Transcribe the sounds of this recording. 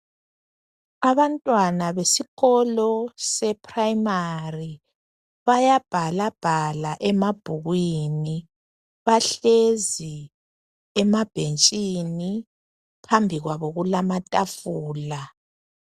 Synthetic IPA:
aβantʼwanaβesiɣɔlɔsɛpʰʼraimari | βajab̥ʱalab̥ʱalaʔɛmab̥ʱuɣwini | βaɬezi | ɛmab̥ʱent͡ʃʼini | pʰambʱiɣwaβoɣulamatʼafuːla

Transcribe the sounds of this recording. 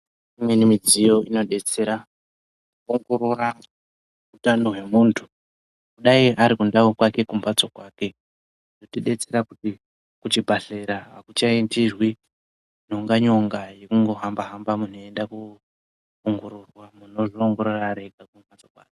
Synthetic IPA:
imwe̞nimid͡zijo̞ino̞ɗe̞t͡se̞ɾa | oŋɡo̞ɾoɾa | utanoɦwe̞muːntʰu̥ | kuɗaiʔaɾikundaokwake̞kumbat͡so̞kwaːke̞ | ndotiɗe̞t͡se̞ɾakuti | kut͡ʃibʱaɬeɾaɦakut͡ʃaintirwi | noŋɡaɲo̞ŋɡaje̞kuŋɡo̞ɦambaɦambamun̤oe̞ndaku | oŋɡoɾorwamuno̞ʐooŋɡo̞ɾoraɾe̞ɡʱakumbat͡sokwa̰ːke̥

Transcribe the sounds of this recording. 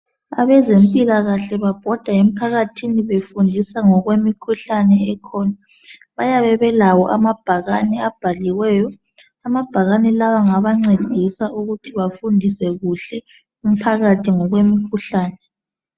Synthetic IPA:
aβɛzempʼilaɣaɬɛβab̥ʱɔd̥ʱaem̩pʰaɣatʰiniβefundʱisaŋɔɣwemikʰuɬanɛɛkʰɔna | βajaβɛβɛlawɔʔamab̥ʱaɣanɛab̥ʱaliɣwɛːjɔ | amab̥ʱaɣanɛlawaŋaβaŋ͡ǀed̥ʱisauɣutʰiβafundʱisɛɣuɬɛ | um̩pʰaɣatʰiŋɔɣwemikʰuɬaːnɛ

